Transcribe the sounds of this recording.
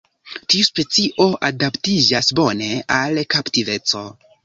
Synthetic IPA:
tiuspe̞t͡siʔo̞ʔadaptid͡ʒasbo̞ne̞alkaptive̞t͡so̞

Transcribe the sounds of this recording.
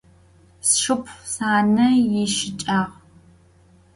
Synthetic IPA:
sʂɨpʰsaːnɐjɪʃɪt͡ʃʼaːʁ

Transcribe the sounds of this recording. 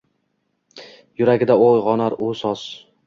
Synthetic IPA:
jʊɾaɡʲɪd̪aojʁɒnaɾosɒs

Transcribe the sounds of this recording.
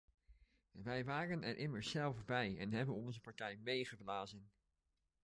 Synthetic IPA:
ʋɛjʋaːrənɛɹʔɪməɹsɛlˠfbɛjɛ̰nɦɛbənɔnzəpɑɹtɛjmejχəblaːzən

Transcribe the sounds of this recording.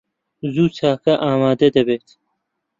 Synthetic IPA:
zuːt͡sʰaːkɐʔaːmaːd̪ɐd̪ɐbet̪

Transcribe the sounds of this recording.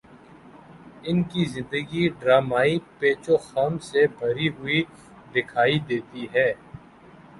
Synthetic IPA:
ɪnkizɪ̃nd̪əɡiɖɾaːmaːipeːt͡ʃoxaːmsebʱɐɾiɦʊi | d̪ɪkʰaːid̪eːt̪iɦɛː

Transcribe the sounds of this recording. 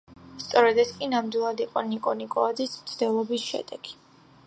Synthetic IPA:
st̪sʼɔɾɛd̪ɛt̪sʰkʼinamd̪wilˠad̪iqʼɔnikʼɔnikʼɔad̪zismt̪sʰd̪ɛlˠɔbisʃɛ̰d̪ɛɡ̥i̥

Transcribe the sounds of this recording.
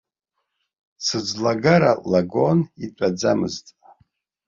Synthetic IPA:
t͡sʰɨd͡zlaɡaɾalaɡonitʷʼad͡zamɨ̰ztʼ

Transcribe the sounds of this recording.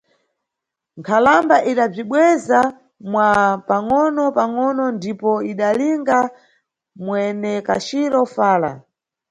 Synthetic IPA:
ŋkʰalambaʔiɗab͡ʐiɓwɛza | mwapaŋɔnɔpaŋɔnɔndipɔiɗaliŋɡa | mwɛnɛka̰ʃiɾɔfaːla̰

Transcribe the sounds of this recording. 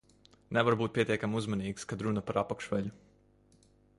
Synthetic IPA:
nɛvaɾbuːt̪̚pʲiɛt̪ʲiɛkamuzmaniːkskad̪ɾunɐpaɾapakʃʋɛʎʲu

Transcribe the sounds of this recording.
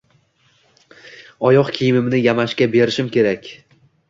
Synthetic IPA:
ɒjɒqkʲʰijɪmɪmnɪjamaʃkʲabe̞ɾɪʃɪmkʲʰe̞ɾakʲ

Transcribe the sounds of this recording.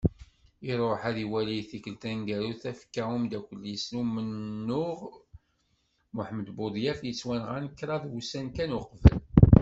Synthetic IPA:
iɾˤoħæðiwælijθikəlt̪ænɡæɾuθæfkːæumd̪ækʷːəlːjəsnumənːʊʁ | mʊħəməd̪bʊd̪ˤjæfjət͡sːwænʁænkːɾˤɑðwusænkænuqvə̰l

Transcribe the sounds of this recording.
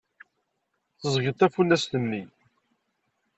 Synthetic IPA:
θəzˤʝət̪ːæfulːæsθəmːi

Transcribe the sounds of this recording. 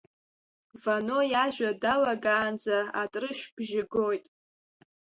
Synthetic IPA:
vano̞jaʒᶣʷadalaɡaːnd͡zaatʼrɨʃᶣb̥ʒɪɡo̞jtʼ

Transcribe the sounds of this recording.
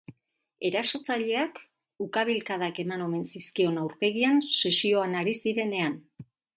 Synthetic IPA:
e̞ɾaso̞t͡saʎe̞ak | ukaβ̞ilkaðake̞mano̞me̞nsiskio̞nawɾpe̞ɣianse̞sio̞anaɾisiɾe̞ne̞an

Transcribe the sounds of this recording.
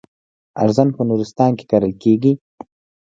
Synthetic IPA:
a̰ɾzanpənuɾɪst̪ɑnke̥kaɾəlkeɡi

